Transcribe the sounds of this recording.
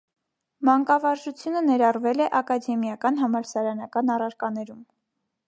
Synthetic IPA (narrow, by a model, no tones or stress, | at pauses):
mɑŋkɑvɑɾʒut͡sʰjunənɛɾɑrvɛlɛʔɑkɑd̪ɛmjɑkɑn̪ɦɑmɑɾsɑɾɑnɑkɑnɑrɑɾkɑnɛɾum